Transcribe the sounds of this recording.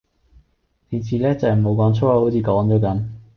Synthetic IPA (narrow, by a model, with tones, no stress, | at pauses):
t̪iː˨˧t͡siː˨˧lɛː˥t͡sɐ˨˩mo˨˧wkɔː˨˥ŋt͡sʰoː˥a˧ho˨˥wt͡sʰiː˨˧kɔː˨˥ŋɔː˨˥k̬ɐ˨˧˥m